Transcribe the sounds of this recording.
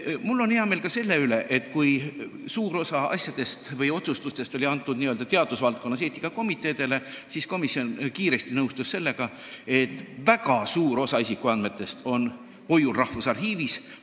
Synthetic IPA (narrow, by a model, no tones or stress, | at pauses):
mulːo̞neɑme̞ːlkɑse̞lːe̞yle̞ʔet̪ːˑkujsuːɾo̞sɑɑ̰sʲjɑd̪̥e̞st̪vɤjo̞t̪sust̪ust̪e̞st̪o̞lʲiɑnt̪ːˑud̪niøld̪ɑt̪e̞ɑd̪usvɑlt̪̚ko̞nːɑs̬et̪ʲːˑi̥kːɑko̞mit̪ːˑe̞ːd̪̥e̞le̞sisko̞misjo̞nkiːɾe̞st̪inɤwst̪usːe̞lːe̞ɡ̥ɑ | e̞t̪ˑːvækɑsuːɾo̞sɑisikˑuɑnd̪me̞t̪ːˑe̞st̪o̞n | po̞julrɑhfusɑrɦiːvis